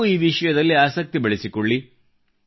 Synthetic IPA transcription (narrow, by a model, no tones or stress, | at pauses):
uiːʋiʂɐjɐd̪ɐlːiaːsɐk̚t̪ibɐɭisikoɭːi